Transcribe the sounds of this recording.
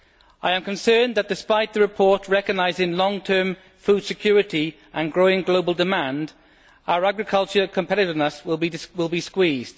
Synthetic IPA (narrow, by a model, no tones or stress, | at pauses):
ʔaɪə̃mkʰə̃nsɜːnðəʔ̚d̥ɪspaɪʔðəɹɪpʰɔˑʔɹɛkəɡ̚naɪzɪ̃ŋlɒ̃ŋtʰɜːɱ | fuːd̥sɪkʰj̥ɔːɹɪtʰi | ʔə̃nɡɹoʊɪ̃ŋɡloʊbəlˠdɪmãnd | aʊəɹaɡɹɪkʰʌlˠt͡ʃəkʰə̃mpʰɛɾɪɾɪvnəswɪlˠbiwɪlˠbiskwiːzd̥